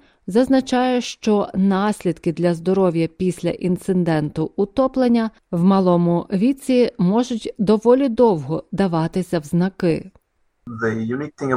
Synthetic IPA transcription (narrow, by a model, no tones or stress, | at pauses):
zɐznɐt͡ʃɑjɛʃt͡ʃɔnɑsʲlʲid̪kɪd̪lʲɐzd̪ɔɾɔʋʲjɐpʲisʲlʲɐ̰ʔint̪sɪnd̪ɛnt̪ʊʊt̪ɔplˠenʲːɐ | wmɐlˠɔmʊʋʲit͡sʲimɔʒʊtʲd̪ɔʋɔlʲid̪ɔwɦɔd̪ɐʋɑt̪ɪsʲɐwznɐkɪ | ðəjunik̚t̪ɪ̃ŋ